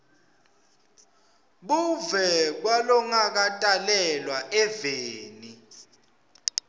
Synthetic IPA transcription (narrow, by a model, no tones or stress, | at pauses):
ɓuvɛk̬walɔŋak̬atʼalɛlwaʔɛveːni